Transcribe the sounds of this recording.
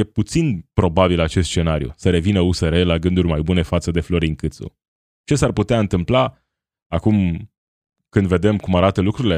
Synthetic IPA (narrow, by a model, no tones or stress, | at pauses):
je̞put̪sinpɾo̞babilat͡ʃest̪ʃt͡ʃe̞naɾijṵsəɾe̞vinəuseɾe̞laɡɨnd̪urʲmajbune̞fat̪səd̪e̞flo̞ɾiŋkɨt̪sṵ | t͡ʃe̞sarput̪eaɨnt̪ɨmpla | akum | kɨnd̪ve̞d̪e̞mkumaɾat̪əlukɾuɾile